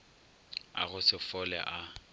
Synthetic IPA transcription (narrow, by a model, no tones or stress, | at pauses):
a̰ɣʊsɪfɔlɛ̰ʔa